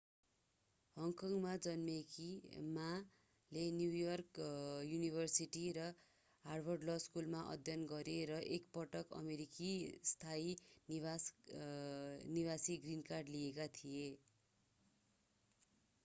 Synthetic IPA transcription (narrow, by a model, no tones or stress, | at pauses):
hʌŋkʌŋmad͡zʌnmekima | lenjujʌrkjunibʱʌrsiʈiɾʌ | ɦarbʱʌrɖlʌskulmaʔʌ̰d̪ʱjʌnɡʌɾeɾʌʔekpʌʈʌkʌ̰meɾikist̪ʰain | nibasiɡrinkarɖlijekat̪ʰije